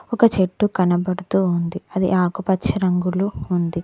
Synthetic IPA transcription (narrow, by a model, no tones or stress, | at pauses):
ɔkɐt͡ʃeʈːukɐnɐbɐɽut̪uːnd̪iɐd̪ḭʔaːkupɐt͡ʃːɐɾɐŋɡuluːnd̪i